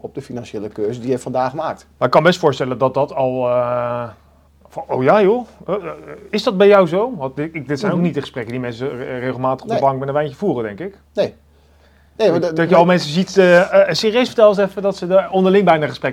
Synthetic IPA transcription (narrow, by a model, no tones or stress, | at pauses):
ɔb̚dəfinɑnʃeːləkøːsədijɛftfɑndaːχəmaːk̚tmaːɪkːɑnbɛstfʊːɹstɛlədɑt̚dɑtɑlˠə | fɑowjaːjo | ɪzdɑd̚bɛjɔwzowʋɑtɪɪk̚dɪtsɛjnowk̚nit̚dəχə̥sprɛkəndimɛnsəreχəlˠmaːtə̥χɔpddəəbɑŋkmɛnə̃nʋɛjnçəvuːrədɛŋkɪk | nej | nejdɑjəɑlˠmɛnsəzitːsɪːrijøɥsfə̥ɹtɛlˠsɛfədɑtsəɔndəlɪŋbɛjnaːχəsprɛk